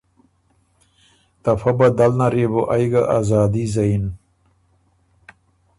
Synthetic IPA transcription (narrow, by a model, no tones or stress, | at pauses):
t̪ɐfɐbɐd̪ɐlnɐɾeboʔajɡaʔazaːd̪izɐin